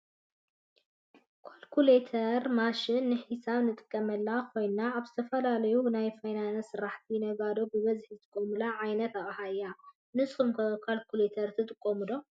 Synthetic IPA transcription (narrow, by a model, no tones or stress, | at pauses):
kʰolkʰulet̪ʰɐɾmaʃɪnːɨħisaβnɨt̪ʼɨ̥kʼːɐmɐlːakʰo̞jnnaaβzɨt̪ʰɐfɐlalɐjunajfajnanɐsɨɾaħt̪ʰinɐɡad̪obɨβɐzħzɨt̪ʰʼɨ̥kʼːomɨlaʕajnɐt̪aʔʼhajːa | nɨsʼumkkʰalkʰulet̪ʰɐɾt̪ʰɨt̪ʼɨkʼːomɨdo̞